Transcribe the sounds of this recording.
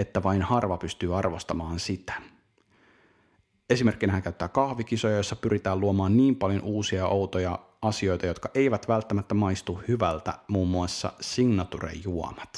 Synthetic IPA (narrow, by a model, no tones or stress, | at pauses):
et̪ːæʋɑinhɑrʋɑpyst̪yːɑrʋost̪ɑmɑːnsit̪æ̥ | e̞sime̞rk̟ːinæhæŋkæyt̪ːæːkɑhʋik̟isojɑjosːɑpyɾʔit̪æːluomɑːnniːmpɑljo̞nʔuːsiɑʔowt̪ojɑ | ɑsio̞jt̪ɑjo̞t̪kɑʔe̞iʋæt̪ʋælt̪ːæmæt̪ːæmɑjst̪uhhyʋælt̪æ̰muːmːuɑsːɑ̰siŋnɑt̪urḛjːuo̰mɑt̪